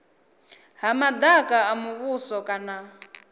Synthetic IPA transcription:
ɦamad̪akʼaːmuβusɔkʼana

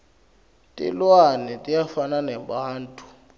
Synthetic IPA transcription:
tʼḭlwanɛtʼijafananɛbaːn̩tʰʼu̥

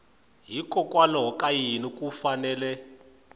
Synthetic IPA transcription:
ɦikʼɔkʼwalɔɦɔkʼajinikʼufanɛːlɛ

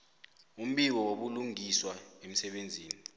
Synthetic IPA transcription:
um̩ɓiw̬ɔwoɓuluŋiswaem̩sɛɓend͡zʱiːni

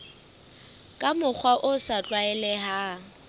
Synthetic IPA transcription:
kʼamʊk͡xʰwaʔʊsat͡ɬʼwaɛlɛɦa

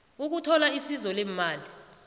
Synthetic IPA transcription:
uk̬utʰɔlaisizɔlemmaːli

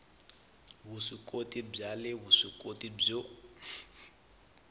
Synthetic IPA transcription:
βuʂikʼotib͡ʐalɪβuʂikʼotʼib͡ʐo

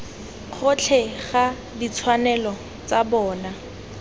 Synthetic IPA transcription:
k͡xʰʊt͡ɬʰɛχa | dit͡sʰwanɛlɔ | t͡sabɔːna

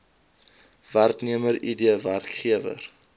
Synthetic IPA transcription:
værkniəməɾidiəværkχiəvə̰r

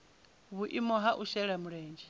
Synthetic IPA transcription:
βuʔimɔɦaʔuʃɛɺamuɺɛːnd͡ʒɛ

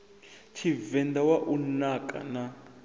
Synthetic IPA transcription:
t͡ʃʰivɛnd̪awaʔunakʼa̰na

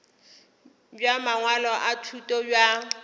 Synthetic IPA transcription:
bjamaŋwalɔʔatʰutʼɔbja

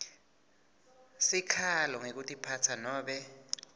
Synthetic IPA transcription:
sikʰalɔŋek̬utʼipʰatʰanɔːɓɛ

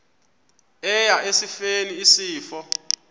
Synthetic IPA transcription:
ɛjaʔesifeniisiːfɔ

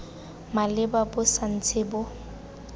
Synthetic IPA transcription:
malɪbabʊsan̩t͡sʰɪbʊ

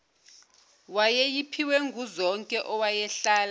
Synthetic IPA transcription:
wajɛjipʰiwɛŋɡʱuzɔŋkʼɛʔɔwajɛɬaːla

